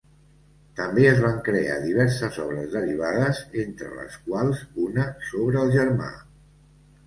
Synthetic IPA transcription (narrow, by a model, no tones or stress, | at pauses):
t̪əmbeəzβaŋkɾea̰ðiβ̞ɛɾsəzɔβ̞ɾəzðəriβ̞aðəzent̪ɾə̰lə̰skwalˠzunəsoβɾəːlˠʒəɾma̰